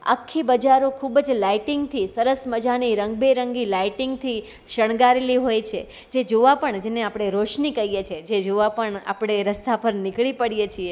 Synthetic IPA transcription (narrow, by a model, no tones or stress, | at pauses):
a̰kʰːibəd͡ʒaɾokʰubd͡ʒlaiʈɪŋɡt̪ʰisəɾəsməd͡ʒaniɾəŋɡbeɾəŋɡilaiʈɪŋɡt̪ʰi | ʃəɳ̃ɡaɾeliɦojt͡ʃʰe | d͡ʒed͡ʒoʋapəɳd͡ʒeneapɽ̃eɾoʃnikəijet͡ʃʰed͡ʒed͡ʒoʋapəɳa̰pɽ̃eɾəst̪apəɾnɪkɭipəɽijet͡ʃʰie